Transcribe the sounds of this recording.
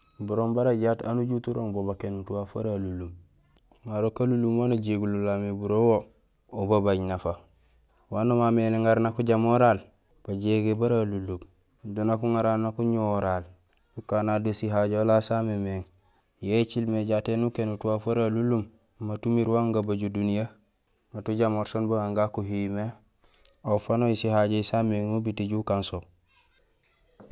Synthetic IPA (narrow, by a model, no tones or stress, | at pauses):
buɾombaɾaɟatanuɟutuɾoŋbobakenutuwafa̰ɾalulum | ŋaɾokalulumwanaɟeɡulolamebuɾowo | obabaɲnafa | wanomameleŋaɾnakuɟamoɾaːl | b̥aɟeɡebaɾalulub | donakuŋaɾannakuɲoɾaːl | nukanadosiɦaɟeolasamemeŋ | jet͡ʃilmeɟatenukenutuwafaɾalulːum | matumiɾwaŋɡabaɟudunija | natuɟamoɾsonbuŋaŋɡakuɦime | afanojisihaɟeisameŋubitiɟukanso